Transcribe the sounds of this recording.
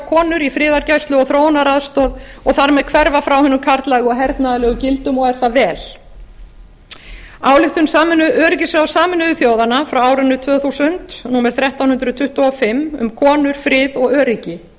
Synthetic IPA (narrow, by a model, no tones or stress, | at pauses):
kʰɔːnʏɾifɾɪːðaɾcajst̪lʏɔɣθɾoːwnaɾaðst̪ɔːðɔɣθaɾmɛðkʰvɛɾvafɾawhʏnːʏkʰaɾt̪lɛɣɔɦɛɾt̪naðalɛɣʏcɪlt̪ʏmɔɣɛɾ̥θavɛːl | aːwlɪht̪ʏnsaːmɪnʏʔœːɾɪcɪsɾawsaːmɪnʏʏθjoːwðanafɾawaːwɾʏnːʏt̪ʰvœːɣθusʏnt̪nuːmɛɾ̥θɾjɛht̪awnhʏnt̪ɾʏt̪ʰʏht̪ɔɔfɪmːʏ̰mkʰɔːnʏɾ̥fɾɪːðɔɣœːɾɪcɪ